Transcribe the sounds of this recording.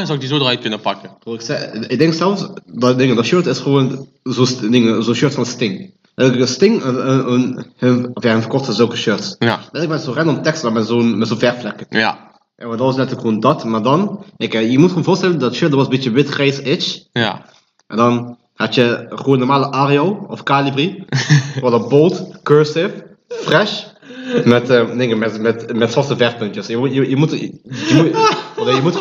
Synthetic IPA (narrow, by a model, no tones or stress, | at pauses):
sɔwɪk̚dizoːdʁœɥt̚kɵnəpɑkəroɪksɪɡ̚dɛŋksɛlˠfsddɪŋədɔtʃøɹtɪsχəʋoːn | zosdɪŋəzonʃøɹtfɑnstɪŋ | lɛtəkənstɪŋənhənɔfjahənfərkɔχtəzølˠkəʃøɹtslɛtlək̚mɛtzoːrɛnɔmtɛkstlɔmɛtzonmɛtzoːnvɛrflɛkə | ʔɛɔndɑtʋɑsnɛtələkχoːndɑtmaːɹdɑnɛkjəmutχəoːnvoːstɛləndɔtʃɪdəʋɑsəbitjəʋɪtχrɛjsɪt͡ʃ | ʔɛndɑn | hɑtjəχʋoːnːɔrmaːləʔarioɔfkalibri | ʋɔdəbolˠtkøɹsɪf | frɛʃ | mɛtənɪkəmɛtmɛtmɛtsɔrtəvɛrpøntjəsjəjəjəmutjəmuɔdojəmut